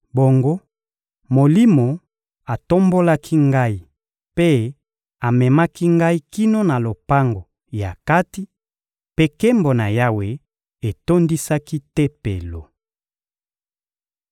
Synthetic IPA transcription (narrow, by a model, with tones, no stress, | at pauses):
bo˨ŋɡo˦ | mo˨li˦mo˨ | a˨to˦mbo˦la˦kʰi˦ŋɡa˦i˨ | pe˦ | a˨mɛ˨ma˦ki˦ŋɡa˦i˦ki˦no˦na˨lo˨pa˦ŋɡo˨ | ja̰˨ka˦ti˦ | pe˦ke˦mbo˨na˨ja˦we˨ | e˨to˦ndi˦sa˦ki˦tɛ˦pḛ˨lo˨